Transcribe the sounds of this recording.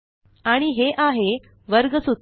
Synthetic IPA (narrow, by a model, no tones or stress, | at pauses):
aɽ̃iɦeʔaɦe | ʋəɾɡəsu